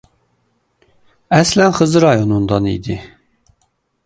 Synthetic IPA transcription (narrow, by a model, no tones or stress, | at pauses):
æslænχɯzɯɾɑjonund̪ɑnḭd̪i